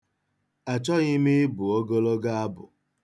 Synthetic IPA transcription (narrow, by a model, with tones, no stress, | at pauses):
a˨t͡ʃɔ˦ɣɪ˦mi˦bʊ˨o˦ɡo˦lo˦ɡa˦a˦bʊ̰˨